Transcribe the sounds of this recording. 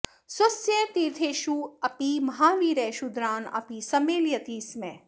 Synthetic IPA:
sɐsjẽt̪iːɾt̪ʰeːʃuɐpimɐɦaːʋiːɾɛːʃud̪ɾaːnɐ̰pisɐmeːljɐt̪iːsmẽ

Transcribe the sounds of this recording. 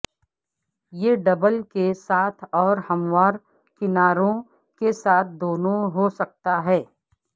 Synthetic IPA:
jeːɖɐbəlkesaːt̪ʰɔːɾhɐmwaːɾ | kɪnaːɾõ | kesaːt̪̚ʰd̪oːnõɦosɐk̚t̪aɦɛː

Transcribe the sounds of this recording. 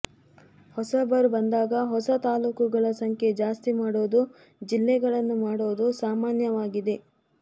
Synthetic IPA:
hɔsɐbɐɾubɐnd̪aːɡɐɦɔsɐt̪aːluːkuɡɐɭɐsɐŋkʰe̞d͡ʒaːst̪imaːɽoːd̪u | d͡ʒilːɛɡɐɭɐnːumaːɽoːd̪usaːmaːnjɐʋaːɡid̪e̞

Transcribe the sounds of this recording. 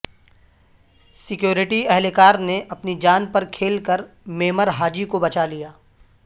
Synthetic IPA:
sɪkjoːɾɪʈiɛɦlekaːɾneʔɐpnid͡ʒaːnpɐɾkʰeːlkɐɾ | meːməɾɦaːd͡ʒikobɐt͡ʃalijaː

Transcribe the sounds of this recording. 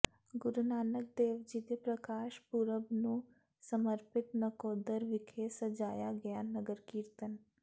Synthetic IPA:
ɡʊɾnaːnək̚d̪eːʋd͡ʒiːd̪eːpɾəkaːʃpʊɾəbnũː | səməɾpɪt̪nəkɔːd̪əɾʋɪkʰesəd͡ʒaːjaːɡəjaːnəɡəɾkiːɾt̪ən

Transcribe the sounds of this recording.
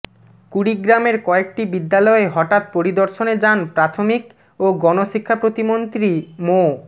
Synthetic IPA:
kuɽiɡɾameɾkɔek̚ʈibid̪ːalɔeɦɔʈat̪̚poɾid̪oɾʃoned͡ʑanpɾat̪ʰomik | oɡɔnoʃikʰːapɾot̪imont̪ɾimo

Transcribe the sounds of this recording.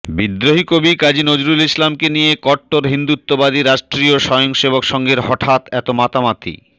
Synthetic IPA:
bid̪ɾoɦikobikad͡ʑinod͡ʑɾulislamkenijekɔʈːoɾɦind̪ut̪ːobad̪iɾaʃʈɾioʃɔjoŋʃebokʃɔŋɡeɾɦɔʈʰat̪ɛt̪omat̪amat̪ʰḭ

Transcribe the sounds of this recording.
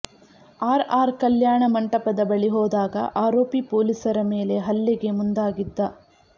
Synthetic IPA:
aːɾaːɾkɐljaːɳɐmɐɳʈɐpɐd̪ɐbɐɭiɦɔːd̪aːɡɐ̰ʔaːɾo̞ːpipoːlisɐɾɐmeːle̞ɦɐlːɛɡe̞mund̪aːɡid̪ːɐ

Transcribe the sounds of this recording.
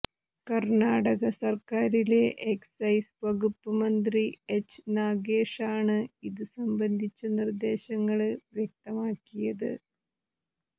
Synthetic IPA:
kɐrnaːɽɐɣɐsɐrkaːɾile̞ʔeksɐjsʋɐɣupːɐmɐnd̪riet͡ɕːɨ̥naːɡeːʂaːɳɨiðɨsɐmbɐnd̪ʱit͡ɕːɐnird̪e̞ːɕɐŋːɐɭʋjek̚t̪ɐmaːkːijɐðɨ̰

